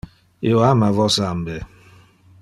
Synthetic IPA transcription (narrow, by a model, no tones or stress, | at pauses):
ḭoamavɔsambe